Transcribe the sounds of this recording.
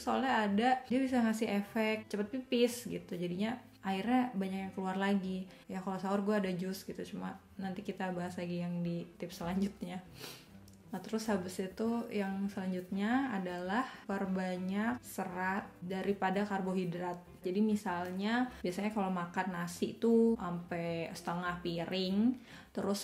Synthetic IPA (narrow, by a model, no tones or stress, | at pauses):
solɛadadiabisaŋasɪɦefɛk̚t͡ʃəpət̪̚pipɪsɡḭt̪ud͡ʒadiɲa | ʔairɲabaɲakjaŋkəluarlaɡi | jakalosaʊrɡuaːdad͡ʒʊst̪ɡit̪ut͡ʃuma | nant̪ikit̪abaɦaslaɡijaŋdit̪ɪp̚səlaɲd͡ʒʊt̪̚ɲa | nat̪əɾʊshabəsit̪ujaŋsəlaɲd͡ʒut̪̚ɲaːdalaharbaɲak̚səɾat̪̚daɾipadakarboɦidɾat̪̚d͡ʒadimisalɲabiasaɲakalomakanːasɪʔt̪uʔampɛsə̥t̪əŋahpiɾʔɪŋ | t̪əɾʊs